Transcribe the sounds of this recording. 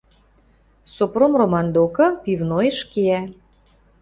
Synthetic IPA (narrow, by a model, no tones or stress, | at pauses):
sopromromɑnd̪okɤ̆pivnojeʃkiæ